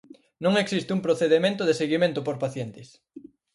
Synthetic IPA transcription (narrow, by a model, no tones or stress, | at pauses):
nõŋeksist̪ɪumpɾoθeðemẽnt̪ʊðeseɣimẽnt̪ʊpoɾpaθjent̪ɪs